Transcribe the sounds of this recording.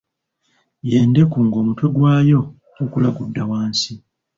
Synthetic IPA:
jeːnde̞kuːŋɡo̞ːmuto̞ɡwaːjo̞ː | kulaɡudːawaːnsi

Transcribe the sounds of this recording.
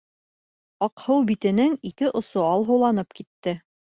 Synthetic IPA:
ɑqhɤwbit̪ɘ̆nɘŋikɘʔŏsoɑlˠɦuwlˠɑnɤpkit̪ːɘ

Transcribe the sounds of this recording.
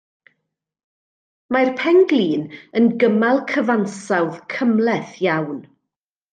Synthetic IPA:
majrpʰɛŋɡlˠiːnənɡəmalˠkʰəvansawðkʰəmlˠɛθjawn

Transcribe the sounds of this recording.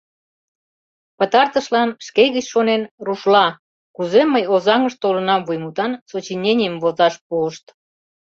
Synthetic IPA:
pət̪ɑrt̪əʃlɑnʃkeɣət͡ɕʃonenruʃlɑ | kuzeməjozɑŋəʃt̪olənɑmvujmut̪ɑnsot͡ɕinʲenʲijəmvozɑʃpuəʃt̪

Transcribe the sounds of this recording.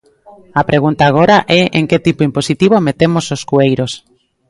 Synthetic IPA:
apɾeɣunt̪aːɣ̞oɾaʔɛʔeŋket̪ipoimposit̪iβ̞omet̪emososkuejɾos

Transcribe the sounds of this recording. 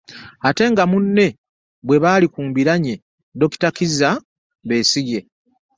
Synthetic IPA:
ate̞ŋɡamunːe̞ | βwe̞βaːlikuːmbiɾaɲe̞ | do̞ki̥takiza | βe̞ːsiɡe̞

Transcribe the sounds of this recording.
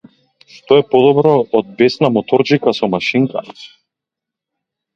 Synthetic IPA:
ʃt̪ɔɛpɔd̪ɔbɾɔːd̪̚bɛsnamɔt̪ɔɾd͡ʒikasɔmaʃiŋka̰

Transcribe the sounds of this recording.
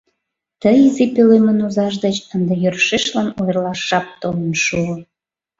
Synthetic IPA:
t̪əjizipelemənuzɑʃ̬d̪ət͡ɕənd̪ejørʃeʃlɑnojrlɑʃːɑp̚t̪olənʃuə

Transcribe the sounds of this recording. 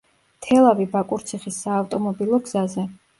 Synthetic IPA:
t̪ʰɛlˠavibakʼuɾt̪sʰiχisːaːft̪ʼɔmɔbilˠɔɡz̥azɛ

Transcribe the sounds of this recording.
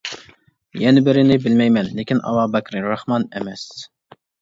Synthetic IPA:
jɛnɪbɪɾɪnɪbɪlmɛjmɛnlekʲinʔɑ̰wɑːbɛkʲɾɪɾɑhmɑnemɛs

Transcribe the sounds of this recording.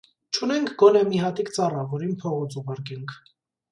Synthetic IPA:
t͡ʃʰunɛŋkʰɡɔnɛmiɦɑt̪ikt͡sɑrɑvɔɾinpʰɔʁɔt͡sʰuʁɑɾkɛŋkʰ

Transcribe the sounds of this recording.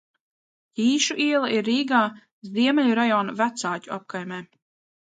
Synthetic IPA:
iːʃuʔiɛlˠaiɾːiːɡaː | zd̪iɛmɛʎʲuɾajɔːnavæt̪saːcʲuap̚kajmɛː

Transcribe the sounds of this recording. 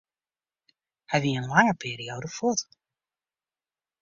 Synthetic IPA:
hɛjʋiənlaŋəpʰiːɾioːdəfɔt

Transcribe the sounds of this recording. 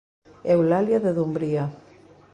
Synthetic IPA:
ɛwlaljaðeðumbɾia

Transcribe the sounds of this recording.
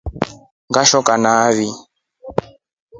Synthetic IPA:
ŋɡaʃɔkanaβi

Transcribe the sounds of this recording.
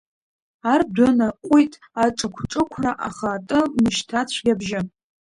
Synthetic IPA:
ardʷanaqʷʼujtʼ | aʈ͡ʂʼakʷʰʈ͡ʂʼɨkʷʰraʔaχatʼɨnɨʃtʰat͡ɕʷʰɡʲabʒɪ

